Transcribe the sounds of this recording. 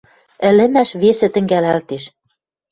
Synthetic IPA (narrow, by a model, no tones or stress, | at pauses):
ɘ̆lɘ̆mæʃβesĕt̪ɘ̆ŋɡælælt̪eʃ